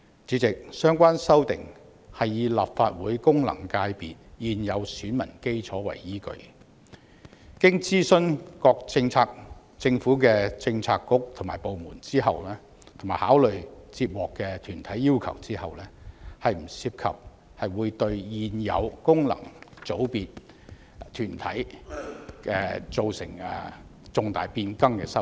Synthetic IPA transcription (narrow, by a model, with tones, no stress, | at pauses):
t͡siː˨˥t͡sɪ˨k̚sœː˥ŋkʷaː˥nsɐ˥wt̪ɪ̰˨ŋ | hɐ˨jːiː˨˧la̰ː˨p̚faː˧t̚wuː˨˥jkʊ˥ŋlɐ̰˨˩ŋkaː˧jpiː˨t̚jiː˨njɐ˨˧wsyː˨˥nmɐ˨˩nke˥jt͡sʰɔː˨˥wɐ̰˨˩jːiː˥kɵ̰˨˧ɥ | kɪ˥ŋt͡siː˥sɵ˥nkɔː˧k̚t͡sɪ˧ŋt͡sʰaː˧k̚ | t͡sɪ˧ŋfuː˨˥k̬ɛː˧t͡sɪ˧ŋt͡sʰaː˧kːʊ˥k̚t̪ʰʊ˨˩ŋmaː˨˩po˨wmuː˨˩nt͡siː˥ɦɐ̰˨wlɛː˥ | t̪ʰʊ˨˩maː˨˩jhaː˨˥wlɵ˨ɥt͡siː˧p̚wɔː˨kːɛ˧t̪ʰyː˨˩nt̪ʰɐ˨˥jːiː˥wkʰɐ̰˨˩wt͡siː˥hɐ˨wlɛː˥hɐ˨jm̩˨˩siː˧p̚kʰɐ̰˨p̚ | hɐ˨jwuː˨˧jt̪ɵ˧ɥjiː˧njɐ̰˨˧wkʊ˥ŋlɐ̰˨˩ŋt͡so˨˥wpiː˧t̪̚ | t̪ʰyː˨˩nt̪ʰɐ̰˨˥j | kɛ˧t͡so˨wsɪ̰˨˩ŋɛ̰˨˩t͡sʊ˧ŋt̪a̰ː˨jpiː˧nkɐ˥ŋkɛ̰˧sɐ˥